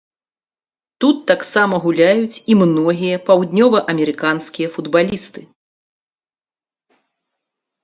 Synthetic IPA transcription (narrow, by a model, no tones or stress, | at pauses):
t̪ut̪ːaksamɐɣulʲajut͡sʲimnɔɣʲijɐpawd̪ʲnʲɔvɐʔɐmʲɛɾɨkanskʲijɐfud̪balʲist̪ɨ